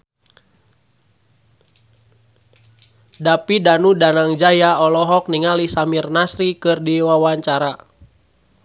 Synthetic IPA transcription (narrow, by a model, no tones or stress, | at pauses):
dapidanudanaŋd͡ʒajaɔlɔɦɔk̚niŋalisamirnasɾikɨrdiwawaɲt͡ʃaɾa